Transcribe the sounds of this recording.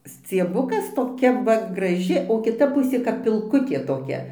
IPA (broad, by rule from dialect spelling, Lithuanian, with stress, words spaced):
sʲt͡sʲiɛˈbʊkɐs toːˈkʲɛ ˈʋɐ ɡrɐˈʒʲɪ oː kʲɪˈtɐ ˈpʊsʲeː kɐp pʲɪlˠˈkʊtʲeː toːˈkʲɛ